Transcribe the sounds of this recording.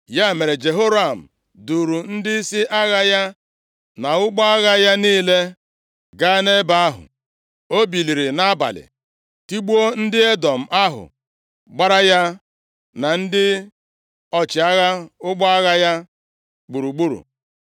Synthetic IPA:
ja˦˨me˨ɾe˨d͡ʒe˨ɦo˦ɾa˦˨m̩˨ | du˨ɾu˨n̩˦dɪ˦si˦ʔa˦ɣa˦ja˦ | na˨ʊ˦ɡ͡bɔ˦a˦ɣa˦ja˦niː˦le˦ | ɡa˦ne˦ba˦a˦ɦʊ̰˨ | o˦bi˨li˨ɾi˨na˦ba̰˨lɪ̰˨ | ti˦ɡ͡bu˦o˦n̩˦dɪ˦e˦dɔ˨m̩˨ʔa˦ɦʊ̰˨ | ɡ͡ba˦ɾa˦ja˦ | na˨n̩˦dɪ˦ | ɔ˦t͡ʃɪ˨a˦ɣa˦ʊ˦ɡ͡bɔ˦a˦ɣa˦ja˦ | ɡ͡bu˨ɾu˨ɡ͡bu˦ɾṵ˨

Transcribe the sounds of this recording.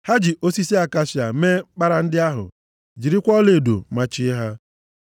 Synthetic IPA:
ha˦d͡ʒi˨ʔo˦si˦si˦a˨ka˦ʃja˨˦me˦k͡pa˦ɾa˨n̩˦dɪ˦a˦ɦʊ̰˨ | d͡ʒi˨ɾi˦kʷɔ˦le˨do̰˨ma˦t͡ʃɪ˦ɦa˦

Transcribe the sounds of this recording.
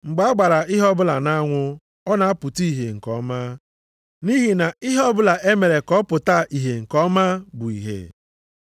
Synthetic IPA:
ŋ͡m̩˨ɡ͡ba˨a˦ɡ͡ba˨ɾa˨ɪ˦ɦɔ˦bʊ˦la˨na˦ŋʷʊ˦ | ɔ˦na˨a˦pʊ˨ti˦i˨ɦe˨ŋ̩˨kɔ̰˦ma˦ | ni˦ɦi˨na˨ɪ˦ɦɔ˦bʊ˦la˨ʔe˦me˨ɾe˨kɔ˦pʊ˨ta˦ʔi˨ɦe˨ŋ̩˨kɔ˦ma˦bʊ˨ḭ˨ɦḛ˨

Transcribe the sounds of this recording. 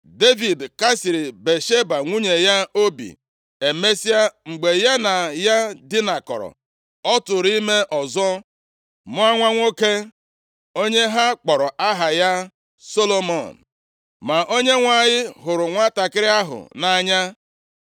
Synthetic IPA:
de˦vi˨dka˦si˨ɾɪ˨be˨ʃe˦ba˨ŋʷu˦ɲe˨ja˦o˦bḭ˨ | e˨me˦si˦a˦ŋ͡m̩˨ɡ͡be˨ja˦na˨ja˦dɪ˦na˨kɔ̰˨ɾɔ̰˨ | ɔ˦tʊ˨ɾi˦me˦ʔɔ˨zɔ˦ | mʊ˦a˦ŋʷa˦ŋʷo˦ke˦ | o˦ɲe˦ɦa˦k͡pɔ˨ɾɔ˨ʔa˦ɦa˨ja˦ | so˦lo˦mɔ˨n˨ | ma˨ʔo˦ɲe˦ŋʷa˨ɲɪ˦ɦʊ˨ɾʊ˨ŋʷa˦ta˨kɪ˦ɾɪ˦a˦ɦʊ̰˨na˨ɲa˦

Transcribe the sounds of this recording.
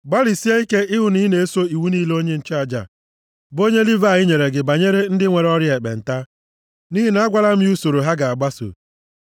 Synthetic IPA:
ɡ͡ba˦ɾi˨si˦a˦i˦ke˦ʔɪ˦ɦʊ˨ni˦ne˨e˦so˦i˨wu˦niː˦lo˦ɲe˦n̩˦t͡ʃa˨d͡ʒa̰˨ | bo˦ɲe˦li˦va˨ɣɪ˦ɲe˨ɾe˨ɡɪ˨ba˨ɲe˦ɾe˦n̩˦dɪ˦ŋʷe˨ɾɔ˦ɾje˨k͡pḛ˨n̩˨ta˦ | ni˦ɦi˦na˦a˦ɡʷa˦la˦m̩˦u˦so˨ɾo˨ɦa˦ɡa˨a˨ɡ͡ba˦so̰˨

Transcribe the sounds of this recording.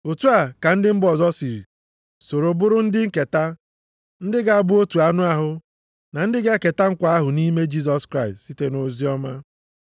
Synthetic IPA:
o˨tu˦a˨ka˨n̩˦dɪ˦m̩˦bɔ˨zɔ˦si˨ɾḭ˨ | so˨ɾo˨bʊ˦ɾʊ˦n̩˦dɪ˦ŋ̩˦ke˨ta˦ | n̩˦dɪ˦ɡa˨a˨bʊ˦o˦tu˨a˨nʊ˦a˦ɦʊ˨ | na˨n̩˦dɪ˦ɡe˦ke˨ta˦ŋ̩˦kʷa˨a˦ɦʊ˨ni˦me˦d͡ʒi˦zɔ˨skɾa˦ɪ˨stsi˦te˦no˨zi˦ɔ˦ma˦

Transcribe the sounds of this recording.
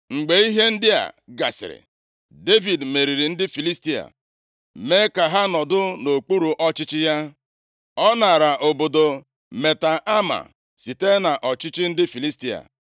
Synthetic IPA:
ŋ͡m̩˨ɡ͡be˨i˦ɦe˦n̩˦dɪ˦a̰˨ɡa̰˨sɪ̰˨ɾɪ̰˨ | de˦vi˨dme˨ɾi˨ɾi˨n̩˦dɪ˦fi˨li˦sti˦a̰˨ | me˦ka˨ɦa˦nɔ˨dʊ˦no˨k͡pu˦ɾu˨ʔɔ˦t͡ʃɪ˦t͡ʃɪ˦ja˦ | ɔ˦na˨ɾa˨ʔo˨bo˨do˨ | me˨ta˨ʔa˦ma̰˨ | si˨te˦na˨ʔɔ˨t͡ʃɪ˦t͡ʃɪ˦n̩˦dɪ˦fi˨li˦sti˦a̰˨

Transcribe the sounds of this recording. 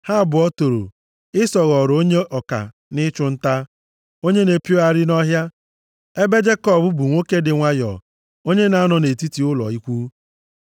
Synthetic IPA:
ha˦˨bʊ˨ɔ˦to˨ɾo̰˨ | ɪ˦sɔ˨ɣɔ˨ɾo˦ɲe˦ʔɔ˨ka̰˨ | nɪ˦t͡ʃʊ˦n̩˦ta˦ | o˦ɲe˦ne˨pi˦o˦a˨ɾɪ˦nɔ˦ɦja˦ | e˦be˦d͡ʒe˦kɔ˦˨bʊ˦bu˨ŋʷo˦ke˦dɪ˨ŋʷa˦jɔ̰˨ | o˦ɲe˦na˨a˦nɔ˨ne˨ti˦ti˨ʊ˦lɔ̰˨i˦kʷu˦

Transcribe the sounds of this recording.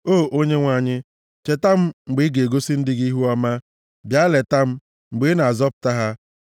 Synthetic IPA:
oː˦˨ʔo˦ɲe˦ŋʷa˨ɲɪ˦ | t͡ʃe˨ta˦m̩˦ŋ͡m̩˨ɡ͡bɪ˦ɡe˨ɡo˦si˦n̩˦dɪ˦ɡi˦ɦu˦a˦ma˦ | bja˦le˨ta˦m̩˦ | ŋ͡m̩˨ɡ͡bɪ˨˦na˨a˨zɔ˦pʊ̥˨ta˦ɦa˦

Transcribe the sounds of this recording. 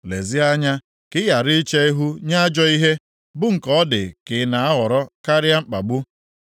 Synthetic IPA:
lḛ˨zi˦a˦ɲa˦ | kɪ˦ja˨ɾɪ˦t͡ʃe˦i˦ɦu˦ɲa˦d͡ʒɔ˦i˦ɦe˦ | bʊ˦ŋ̩˨kɔ˦dɪ̰˨kɪ˨na˨a˦ɦɔ˨ɾɔ˦ka˦ɾɪ˦a˦ŋ͡m̩˦k͡pa˨ɡ͡bʊ˦

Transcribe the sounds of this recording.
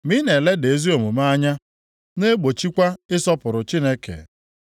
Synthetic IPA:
mi˦ne˨le˦de˨˦zi˦o˨mʊ˨ma˦a˦ɲa˦ | ne˦ɡ͡bo˨t͡ʃi˦kʷa˦ɪ˦sɔ˦pʊ˨ɾʊ˨t͡ʃi˦ne˦kḛ˨

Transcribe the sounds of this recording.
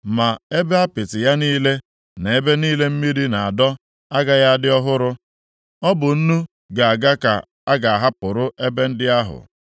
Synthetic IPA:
ma˨e˦be˦a˦pɪ˨tɪ˨ja˦niː˦le˦ | ne˨e˦be˦niː˦le˦m̩˦mi˦ɾi˦na˨a˨dɔ˦ | a˦ɡa˦ja˦dɪ˦ɔ˦ɦʊ˦ɾʊ˦ | ɔ˦bʊ˨n̩˦nu˦ | ɡa˨a˨ɡa˦ka̰˨ | a˦ɡa˨a˨ɦa˦pʊ˨ɾʊ˦ʔe˦be˦n̩˦dɪ˦a˦ɦʊ̰˨

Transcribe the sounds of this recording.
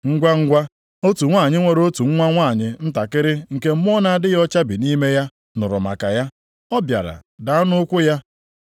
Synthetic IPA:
ŋ̩˦ɡʷa˦ŋ̩˦ɡʷa˦ | o˦tu˨ŋʷa˦˨ɲɪ˦ŋʷe˨ɾo˦tu˨ŋ̩˦ŋʷa˦ŋʷa˦˨ɲɪ˨n̩˦ta˨kɪ˦ɾɪ˦ŋ̩˨ke˦m̩˦m˦ɔ˦na˨a˦˨dɪ˦ɣɔ˦t͡ʃa˦bi˨ni˦me˦ja˦ | nʊ˨ɾʊ̰˨ma̰˨ka˨ja˦ | ɔ˦bja̰˨ɾa̰˨da˨a˦nʊ˦kʷʊ˦ja˦

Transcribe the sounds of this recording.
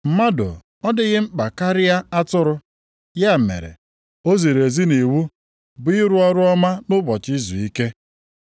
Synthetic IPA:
m̩˦ma˦do̰˨ | ɔ˦dɪ˨ɣɪ˦m̩˦k͡pa˨ka˦ɾɪ˦ja˦a˦tʊ˦ɾʊ˦ | ja˦˨mḛ˨ɾḛ˨ | o˦ze˨ɾe˨zi˦ne˨wu˦ | bʊ˨ɪ˦ɾʊ˦ɔ˦ɾʊ˦ɔ˦ma˦nʊ˦bɔ˨t͡ʃi˦zu˨i˦ke˦

